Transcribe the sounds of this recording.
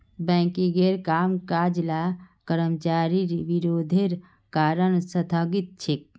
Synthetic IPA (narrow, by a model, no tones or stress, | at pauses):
bɛ̃ːkiɡeɾkaːmkad͡ʒlakəɾəmt͡ʃaɾiɾʋiɾoːd̪ʱeɾ | kaːɾəɽ̃sət̪ʰəɡit̪̚t͡ʃʰek̚